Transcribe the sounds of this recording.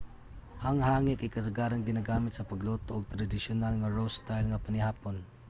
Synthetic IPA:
haŋhaːŋɪʔkajkasaɡaːɾaŋɡɪnaɡaːmɪt̪sɐpaɡlot̪oʔːɡ̚t̪ɾad̪ɪsjʊnalŋaɹost̪ajlŋapanɪhaːpon

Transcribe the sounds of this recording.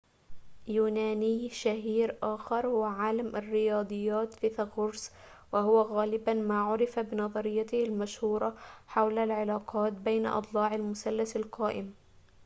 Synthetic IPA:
juːnaːnijʃahiːɾʔaːxɑɾˤhʊwaʕaːlamʔarːɪjɑːd̪ˤɨjːaːt̪fiːθɑɣʊɾs | wahʊwaɣaːlɪbamaːʕʊɾɪfabɪnɑðˤɑɾɪjːat̪ɪhalmaʃhuːɾˤɑħawlalʕɪlaːqɑːt̪̚bajna̰ʔɨ̰t̪ˤlɑːʕalmʊsalːasalqɑːʔɪm

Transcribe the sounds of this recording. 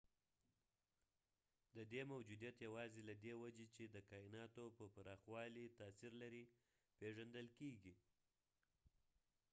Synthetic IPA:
d̪əd̪emawd͡ʒud̪ijat̪jawɑzelad̪ewad͡ʒet͡ʃed̪əkɑɪnɑt̪opəpaɾɑxwɑlit̪ɑsiɾlaɾi | peʒand̪əlkeɡi

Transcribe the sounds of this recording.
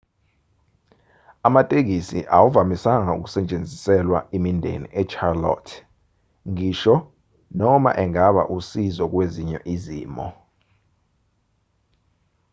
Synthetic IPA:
amatʼek̬isḭʔawuvamisaŋaṵk̬u̥sɛt͡ʃʼend͡zʱisɛlwaemindʱḛnḭʔɛt͡ʃʰarlɔ̰tʰ | ŋiːʃɔ | nɔma̰ʔɛŋaɓa̰ʔusizɔk̬weziɲɛ̰ʔiziːmɔ̰

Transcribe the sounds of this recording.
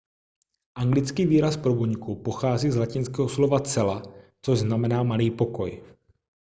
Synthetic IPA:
ʔaŋɡlɪt͡skiːviːɾaspɾobuɲkupo̞xaːziːzlacɪnskɛːɦoslo̞vat͡sɛlat͡soʒznamɛnaːmaliːpo̞ko̞j

